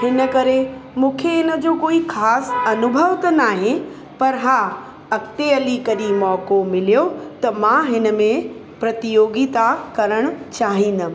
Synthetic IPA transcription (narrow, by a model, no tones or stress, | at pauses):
hɪnə̆kɐɾemũːkʰeɦɪnə̆d͡ʑoːkoːixʰaːsɐnʊbʱəʋt̪ɐnaːɦẽ | pɐɾɦaː | ɐkt̪eɐlikɐɗĩmɔːkomɪlijot̪ɐmãɦɪnə̆mẽ | pɾɐt̪ijoːɡit̪akɐɾəɽ̃̆t͡ɕaːɦĩːn̆d̪ə